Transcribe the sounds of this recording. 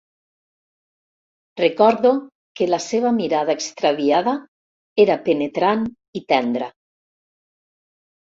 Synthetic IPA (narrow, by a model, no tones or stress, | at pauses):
rekɔɾðo | kelaseβamiɾað̞aekst̪ɾaβiaða | eɾapenet̪ɾan | it̪ɛnd̪ɾa